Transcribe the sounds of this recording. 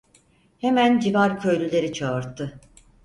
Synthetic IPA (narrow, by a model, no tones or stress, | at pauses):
he̞mænd͡ʒivaɾcʰø̞jlʲylʲe̞ɾit͡ʃʰaɯɾt̪ʰːɯ